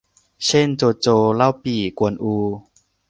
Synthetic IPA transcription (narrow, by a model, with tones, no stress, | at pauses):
t͡ɕe˥˨nt͡soː˧t͡soː˧la˥˩˨wpiː˨˩ku˧ənʔuː˧